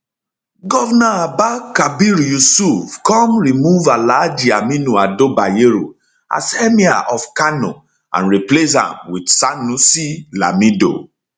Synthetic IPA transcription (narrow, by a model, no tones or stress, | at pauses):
ɡɔvnaabakabiɾjusufkɔ̃mɹimuvalad͡ʒiaminuadobajeɾṵ | a̰sɛmia̰ʔɔfkanɔ̰ | ã̰nɹiples̬ã̰mwidsanusila̰mido̰